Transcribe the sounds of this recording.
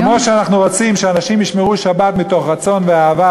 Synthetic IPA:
mo̞ʃeanaχnuʁo̞t͡simʃeanaʃimjiʃmeʁulʃabat̪mito̞χʁat͡so̞nveaːva

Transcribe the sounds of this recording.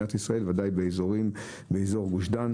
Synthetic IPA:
at̪isʁae̞lvad̪ajbeːzoʁim | beːzo̞ʁɡuʃdan

